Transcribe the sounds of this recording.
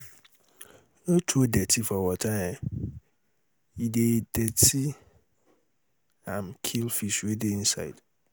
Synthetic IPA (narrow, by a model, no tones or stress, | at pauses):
nõtʰuodɛtʰifɔwɔtʰãɛ | idedɛtʰi | ãmkʰilfisuedein̩sa̰ɪd̥